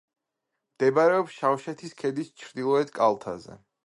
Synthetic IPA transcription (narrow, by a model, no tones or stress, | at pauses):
md̪̥ɛbaɾɛɔpsʃafʃɛt̪ʰiskʰɛd̪ist͡ʃʰɾd̪ilˠɔɛt̪kʼalˠt̪ʰa̰zɛ̰